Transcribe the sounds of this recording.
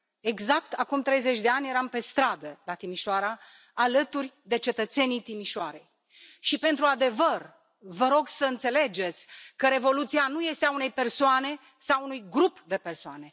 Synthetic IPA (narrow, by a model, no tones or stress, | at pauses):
e̞ɡzak̚t̪akumt̪ɾe̞jze̞t͡ʃʲd̪e̞anʲje̞ɾampe̞st̪ɾad̪əlat̪imiʃoaɾaː | lət̪urʲd̪e̞t͡ʃe̞t̪ət̪se̞nit̪imiʃoaɾe̞j | ʃipe̞nt̪ɾuad̪e̞vər | vəɾo̞ɡsəɨnt̪se̞le̞d͡ʒe̞t̪sʲkəɾe̞vo̞lut̪sianuje̞st̪eaune̞jpe̞rsoane̞ | sawunujɡɾupd̪e̞pe̞rsoane̞